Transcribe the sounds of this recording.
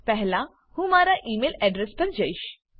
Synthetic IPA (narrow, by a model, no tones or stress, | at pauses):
pɛɦlã | hũmaːɾaʔiːmeːlɛɖɾespɐɾd͡ʒɐɪʃ